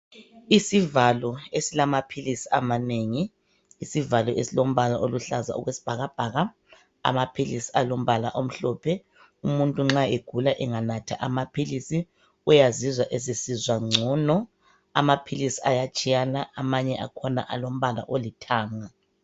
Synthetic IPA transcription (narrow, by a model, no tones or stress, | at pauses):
isivalɔesilamapʰilisiamaneŋi | isivalɔʔesilom̩βalaʔoluɬaza̰ṵɣwesi̥b̥ʱaɣab̥ʱaːɣa | a̰mapʰilisi̥alom̩βala̰ʔom̩ɬɔːpʰɛ | umuntʼuŋ͡ǁaeɡ̥ʱulaʔɛŋanatʰa̰ʔamapʰilisi | ujazizwaʔezisizwaŋ͡ǀʱɔnɔ | a̰mapʰilisiajat͡ʃʼijanaamaɲɛʔa̰kʰɔna̰ʔalom̩βala̰ʔolitʰaːŋa